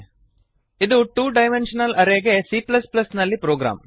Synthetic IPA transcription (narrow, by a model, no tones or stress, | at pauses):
id̪uʈuːɖɐjmenʂɐnɐlʔɐɾeːɡesiːplɐsplɐsnɐlːipɾoːɡɾa̰ːm